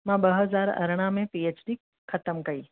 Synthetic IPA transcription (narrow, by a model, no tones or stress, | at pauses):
mãbɐɦəzaːɾɐ̰ɾɽ̃ãmẽpiet͡ʃɖik | xʰɐt̪əmkɐiː